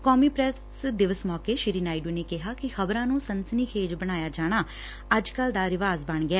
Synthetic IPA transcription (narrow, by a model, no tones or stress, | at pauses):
kɔːmiːpɾɛs | d̪ɪʋəsmɔːkeːʃɪɾiːnaːɪɖuːneːkɪɦaːkɪxəbɾãːnũːsənsəniːkʰeːd͡ʒbəɽ̃aːjaːd͡ʒaːɽ̃aː | əd͡ʒkəld̪aːɾɪʋaːzbəɳɡɛː